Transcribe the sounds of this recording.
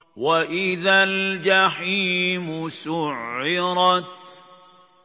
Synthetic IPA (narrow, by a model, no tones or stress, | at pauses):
waʔɪðald͡ʒaħiːmʊsʊʕːɪɾˤɑt̪